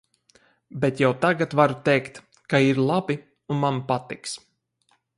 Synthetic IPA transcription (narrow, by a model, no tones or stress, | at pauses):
bɛt̪jawt̪aɡat̪vaɾut̪ɛjkt̪ | kaiɾlˠabi | unmanpat̪iks